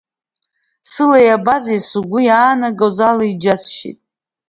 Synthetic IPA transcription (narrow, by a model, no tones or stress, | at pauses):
sɨlajabazajsuɡʷʊjaːnaɡawzalaid͡ʒasʃḭtʼ